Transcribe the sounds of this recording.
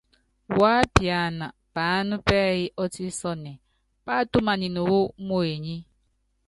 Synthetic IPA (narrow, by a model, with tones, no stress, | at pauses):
wa˦pja˨na˨b̥a˨˦nu˦pɛ˦ji˦ʔɔ˦ti˦sɔ˦nɛ˨ | pa˦tu˦ma˨ni˨nu˨wo˦mo˦e˨ɲi˦